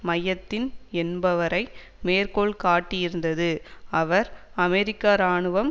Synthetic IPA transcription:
mɐjɐt̪ːɪnɛnbɐʋɐɾɐɪ | meːrkoːɭkaːʈːɪjɪɾɯnd̪ɐðɯɐʋɐɾɐmɛɾɪkːaːɾaːɳɯʋɐm

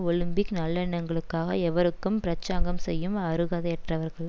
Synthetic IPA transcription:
ɔɭɯmbɪknɐlːɛɳːɐŋɡɐɭɯkːaːɣɐɛʋɐɾɯkːɯmpɪɾɐt͡ʃːaːŋɡɐmsɛjːɯmɐɾɯɣaːðɐɛʈrɐʋɐɾɣɐɭ

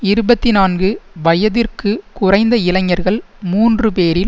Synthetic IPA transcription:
ɪɾɯbɐt̪ːɪnaːnɡɯʋɐjɐðɪrkɯkʊrɐɪnd̪ɐɪlɐŋːɐɾɣɐɭ | muːndrɯpeːɾɪl

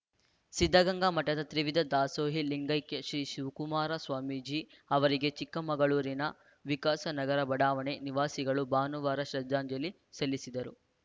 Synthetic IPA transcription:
sid̪ʱːɐɡɐŋɡamɐʈːɐd̪ɐt̪ɾiʋid̪ʱɐd̪aːsoːɦiliŋɡɐjkeʃɾiːʃiʋukumaːɾɐsʋaːmid͡ʒi | ɐʋɐɾiɡe̞t͡ʃikːɐmɐɡɐɭuːɾinɐ | ʋikaːsɐnɐɡɐɾɐbɐɽaːʋɐɳeniʋaːsiɡɐɭubaːnuʋaːɾɐʃɾɐd͡ʒ̪ːaːɲd͡ʒɐli | sɐlːisid̪ɐɾu

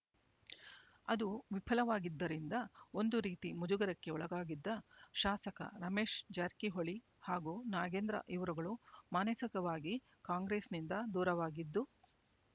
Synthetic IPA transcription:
ɐ̰d̪uʋipʰɐlɐʋaːɡid̪ːɐɾind̪ɐo̞nd̪uɾiːt̪imud͡ʒuɡɐɾɐkːe̞ɔɭɐɡaːɡid̪ːɐʃaːsɐkɐ̰ɾɐme̞ːʃd͡ʒaːɾkiɦoɭi | haːɡunaːɡeːnd̪ɾɐ̰ʔiʋɐɾuɡɐɭumaːnɐsɐkɐʋaːɡi | kaːŋɡɾeːsnind̪ɐd̪uːɾɐʋaːɡid̪ːu

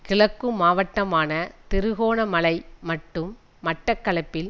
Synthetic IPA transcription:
kɪɭɐkːɯmaːʋɐʈːɐmaːnɐt̪ɪɾɯɣoːnɐmɐlɐɪmɐʈːɯmː | ɐʈːɐkːɐɭɐpːɪl

